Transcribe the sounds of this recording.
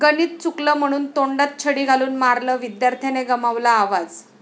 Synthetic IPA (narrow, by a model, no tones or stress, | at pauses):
ɡəniːt̪̚t͡sukləːm̤əɽ̃uːnt̪oɳɖat̪̚t͡ɕʰəɽiːɡʱaluːnmaɾləːʋid̪jaɾt̪ʰeneɡəmaʋlaːʋad͡z